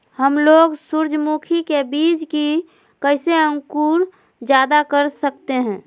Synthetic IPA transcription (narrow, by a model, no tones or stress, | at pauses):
həmloːɡsuɾd͡ʒʱmuːkʰikebiːd͡ʒki | kəɪseə̃ŋkuːɾ | d͡ʒjaːd̪akəɾsək̚t̪eɦɛ̃ː